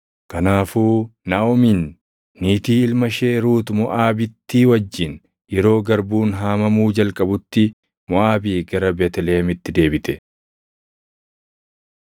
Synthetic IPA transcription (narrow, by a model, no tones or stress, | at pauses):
kɐnaːfuːnaːɔminː | iːt̪iːɪlmɐʃe̞ːɾuːt̪mʊʔaːbɪt̪ːiwɐd͡ʒːɪn | jɛɾo̞ːɡɐɾbuːnɦaːmɐmuːd͡ʒɐlkʼɐbʊt̪ːɪ | mʊʔaːbiːɡɐɾɐbeːt̪ɛleːɐmɪt̪ːɪd̪e̞ːbɪt̪ɛ